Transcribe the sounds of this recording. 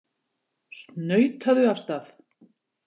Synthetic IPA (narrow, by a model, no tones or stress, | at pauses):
st̪nœɥt̪ʰaðʏafst̪aθ